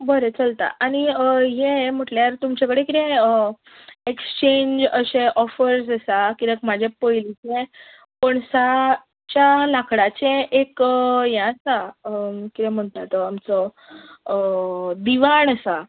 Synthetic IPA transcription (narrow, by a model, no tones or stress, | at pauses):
bəɾet͡səlt̪a̰ʔaɽ̃iəɦẽm̤əʈljaɾt̪umt͡ɕakəɽekit̪ɛ̃ə | ekst͡ɕeɲd͡ʑəɕẽʔɔfəɾsəsakit̪ekmad͡ʑʱepəjlit͡ɕẽ | koɳsa | t͡ɕjalakʰɽat͡ɕẽʔekjãsa | kit̪ɛ̃m̤əɳt̪at̪ɔamt͡sɔ | d̪iʋaɳəsa